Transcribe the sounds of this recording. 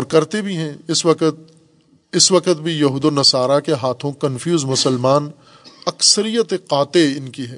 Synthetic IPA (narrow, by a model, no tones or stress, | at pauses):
ɔːɾkɐɾt̪ebʱiɦɛ̃ɪswɐkət̪ | ɪswɐqət̪bʱijɐɦud̪onɐsaːɾakeɦaːt̪ʰõkɐ̃nfʰjuːzmʊsəlmaːn | ɐksəɾijət̪eqaːt̪eɪnkiɦɛː